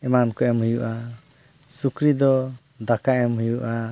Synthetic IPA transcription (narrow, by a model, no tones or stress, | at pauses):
ɛmankɔɛmhujuʔa | sukɾid̪ɔ | d̪akaʔɛmɦujuʔa